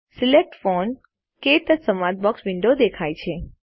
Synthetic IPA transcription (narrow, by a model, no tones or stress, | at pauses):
silek̚ʈfɔn | keʈ̪əsəmad̪̚bɔksʋɪɳɖod̪ekʰajt͡ʃʰe